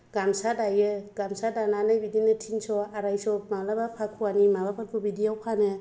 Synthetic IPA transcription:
ɡ̥amsadajɯɡamsadananabidinɯtʰinsɔaɾajsɔmalabapʰakʰuanimabapʰat̚bʰɔbidiawpʰanɯ

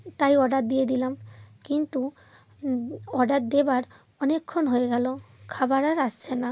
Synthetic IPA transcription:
t̪ajɔɖat̪̚d̪ijed̪ilamkint̪u | ɔɖat̪̚d̪ebaɾ | ɔnekʰːonɦoeɡɛlokʰabaɾaɾast͡ɕʰena

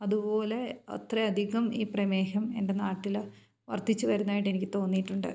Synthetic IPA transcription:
ɐðubo̞ːle̞ɐ̰t̪reɐd̪ʱiɣɐmḭːprɐme̞ːhɐme̞nde̞naːʈːil | ʋɐ̰rt̪it͡ɕːɨʋɐɾunːaːjiʈːenikʲːɨt̪o̞ːnːijiʈːuɳɖɨ̰

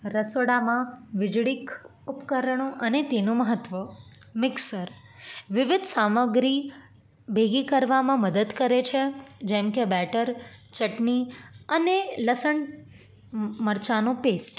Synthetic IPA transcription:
ɾəsoɽamãʋɪd͡ʒɽikʊpkəɾəɳ̃õʔənet̪enũməɦət̪ʋə | mɪksəɾʋɪʋɪd̪ʱsaməɡɾi | bʱeɡikəɾʋamãməd̪əd̪kəɾet͡ʃʰed͡ʒɛmkebɛʈəɾt͡ʃəʈniəneləsəɳ | məɾt͡ʃanõpesʈ

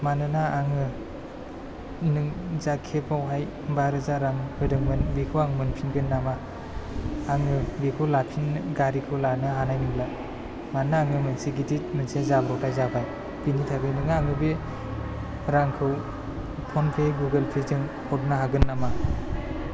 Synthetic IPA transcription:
manɯnaːŋɯ | nɯŋzakʰepawɦaj | baɾɯzaɾaŋhɯdɯŋmɯnbikʰɯwaŋmɯnpʰinɡɯnːama | ŋɯbekʰɯlapʰinɡaɾikʰɯwlanɯɦanajnɯmla | mannaːŋɯmɯnseɡitit̚mɯnsezabɾɔtʰajzapʰaj | pinitʰaɡɯjnɯŋaŋɯbe | ɾaŋkʰɯw | pʰɔnpʰeɡuɡelpʰezɯŋhʰɔtnaɦaɡɯnːama

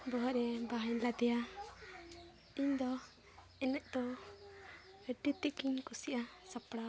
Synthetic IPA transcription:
bɔɦɔɾɛbaɦaɲlad̪ɛja | iɲd̪ɔ | ɛnɛʔ̚ˀd̪ɔ | əʈit̪ikiɲkusiʔasapɽa

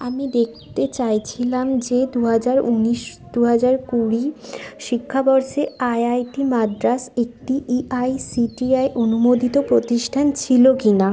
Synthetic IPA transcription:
amid̪ek̚ʰt̪et͡ɕajt͡ɕʰilamd͡ʑed̪uɦad͡ʑaɾuniʃ | d̪̥uɦad͡ʑaɾkuɽiʃikʰːabɔɾʃeajajʈimad̪ɾasek̚ʈiiʔajsiʈiajʔonumod̪it̪opɾot̪iʃʈʰant͡ɕʰilokina

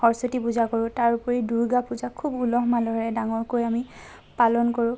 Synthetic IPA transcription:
ɔɹsotipuzakɔɹʊ̃taɹupɔɹiduɹɡapuzakʰubulɔɦmalɔɹɛdaŋɔɹkojami | palɔnkɔɹʊ̃

